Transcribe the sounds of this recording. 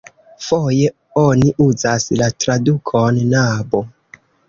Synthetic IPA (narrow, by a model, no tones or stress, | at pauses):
foje̞ | oniʔuzaslatɾadukʰonːabo